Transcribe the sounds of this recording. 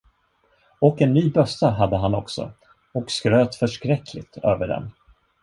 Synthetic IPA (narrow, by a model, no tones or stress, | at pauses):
ɔkɛnːyːbœsaɦad̪ːəɦanɔksɔ̰ | ɔkskɾøːt̪fœʂkɾɛkʰːlɪt̪ʰøːvəɖɛ̰n